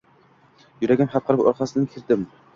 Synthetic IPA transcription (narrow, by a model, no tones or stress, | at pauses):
jʊɾaɡʲanχɑt̪̚qʰɨɾɪpo̰ɾqɑsɪnɪkʲʰɪɾd̪ɪm